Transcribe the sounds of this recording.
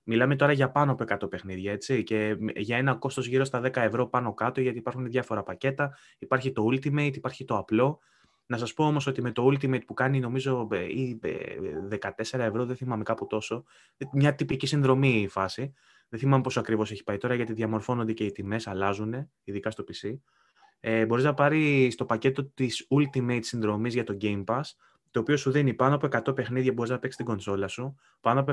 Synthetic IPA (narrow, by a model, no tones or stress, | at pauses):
milɐme̞t̪o̞ɾɐʝɐpɐnopoe̞kɐt̪o̞pe̞xniðʝɐe̞t͡sice̞ʝɐe̞nɐko̞st̪ozʝiɾo̞st̪ɐðe̞kɐe̞vɾo̞pɐno̞kɐt̪o̞ʝɐt̪iːpɐɾxuneðʝɐfo̞ɾɐpɐce̞t̪ɐ | ipɐɾçit̪o̞ult̪imejt̪ipɐɾçit̪o̞ɐplo̞ | nɐsɐspo̞o̞mo̞so̞t̪imet̪o̞ult̪imejt̪̚pukɐnino̞mizo̞eiḛðe̞kɐt̪e̞se̞ɾɐe̞vɾo̞ðeθimɐme̞kɐput̪o̞so̞ | mɲɐt̪ipicisinðɾo̞miːfɐsi | ðeθimɐmepo̞soɐkɾivo̞se̞çi̥pɐit̪o̞ɾɐʝɐt̪iðʝɐmo̞ɾfo̞no̞nd̪e̞ce̞it̪ime̞sɐlɐzune̞ | iðikɐst̪o̞pisi | ebo̞ɾiznɐpɐɾist̪o̞pɐce̞t̪o̞t̪isult̪imejt̪sinðɾo̞mizʝɐt̪o̞ɟe̞jmpɐs | t̪o̞ːpio̞suðinipɐnoɐpoekɐt̪o̞pe̞xniðʝɐbo̞ɾiznɐpe̞ksi̥st̪iɡo̞nso̞lɐsu | pɐnop